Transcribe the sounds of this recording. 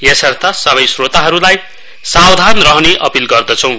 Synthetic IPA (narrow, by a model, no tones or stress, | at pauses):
jesʌrt̪ʰasʌβʌjsrot̪aɦʌɾulaj | sawd̪ʱanrʌɦʌneʔʌpilɡʌrd̪ʌt͡sʰʌ̃w̃